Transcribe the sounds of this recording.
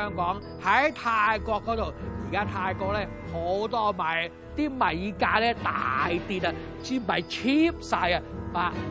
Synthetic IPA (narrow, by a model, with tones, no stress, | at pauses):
œː˥ŋkɔː˨˥ŋ | hɐ˨˥jt̪ʰaː˧jkɔː˧kːɔː˨˥t̪o˨wjiː˨˩kaː˥t̪ʰaː˧jkɔː˧k̚lɛː˥˩ | ho˨˥wt̪ɔː˥mɐ˨˩j | t̪iː˥mɐ˨jkaː˧lɛː˥˩t̪a̰ː˨jt̪iː˨˧t̪ɐ˨ | t͡siː˨˥mɐ˨˩jt͡ʃʰiː˥p̚saː˧jɐ˧maː˨˧